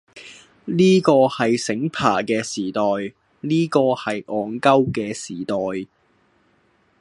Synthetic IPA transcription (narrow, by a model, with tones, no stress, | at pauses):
liː˥kɔː˧hɐ˨jsɪ˨˥ŋpʰa̰ː˨˩kɛː˧siː˨˩t̪ɔː˨j | niː˥kɔː˧hɐ˨jʔɔː˨˧ŋkɐ˥wkɛː˧siː˨˩t̪ɔː˨j